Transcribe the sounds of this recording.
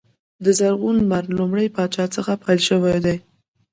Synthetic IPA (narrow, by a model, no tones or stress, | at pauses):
d̪əzaɾɣunmaɾlʊmɽəjpɑt͡ʃɑt͡səxapʰajlʃəwajd̪aj